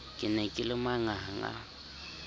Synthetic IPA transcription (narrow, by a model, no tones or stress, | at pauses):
kʼɪnɛkʼɪlɪmaŋaŋa̰